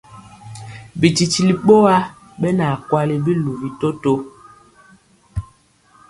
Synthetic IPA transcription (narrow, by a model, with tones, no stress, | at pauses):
bi˨t͡ʃi˨t͡ʃi˨li˨ɓo˦a˦ | ɓɛ˦na˨kwa˦li˦bi˦lu˨vi˨to˦to˦